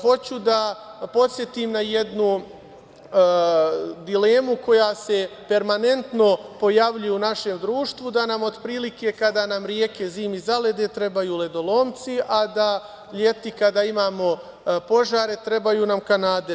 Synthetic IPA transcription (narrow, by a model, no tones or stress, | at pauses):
xo̞t͡ɕud̪apo̞t̪sʲje̞t̪imnaje̞d̪nu | d̪ile̞ːmuko̞jaːse̞pe̞ɾmane̞nt̪no̞po̞jaʋʎujeunaʃe̞md̪ɾuːʃt̪ʋud̪anamo̞d̪pɾiːlike̞kad̪aːnamɾjeːke̞ziːmizale̞d̪e̞t̪ɾe̞bajuːle̞d̪o̞lˠoːmt̪siʔad̪a | ʎe̞t̪ikad̪aːimaːmo̞ | po̞ʒaːɾe̞t̪ɾe̞bajuːnamkanaːd̪e